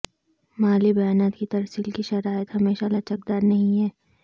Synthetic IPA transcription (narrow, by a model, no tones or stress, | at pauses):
maːlibɐjaːnaːt̪kit̪ɐɾsiːlkiʃɐɾaːjət̪ɦɐmeːʃalɐt͡ʃək̚d̪aːɾnɐɦĩɦɛː